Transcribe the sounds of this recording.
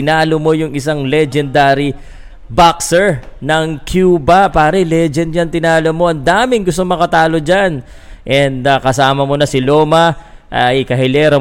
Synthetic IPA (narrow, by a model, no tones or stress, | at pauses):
ɪnaːlomo̞jʊŋɪsaŋlɛd͡ʒɛnd̪aːɾi | baksɛɹnɐŋkʰjuːbɐpaːɾɐlɛd͡ʒɛnɲɐnt̪ɪnaːlomo̞ʔɐnd̪aːmɪŋɡʊst̪oŋmɐkɐt̪aːlo̞d͡ʒan | ʔɛnd̪ɐkɐsaːmɐmo̞nɐsɪloːmɐʔɐjkɐɦɛlɛɾɐ